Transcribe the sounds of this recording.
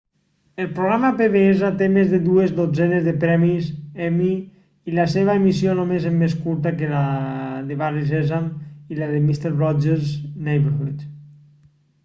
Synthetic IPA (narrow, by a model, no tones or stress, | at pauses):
elˠpɾoɣ̞ɾamapeβeezat̪emezðeðuezðod͡zɛnezðepɾɛmizɛmi | ilaseβ̞aemis̬jonomezemːeskuɾt̪akelaðeβarizɛzamilaðemist̪eɾβɾɔd͡ʒeɾznejβeɾɣit͡ʃ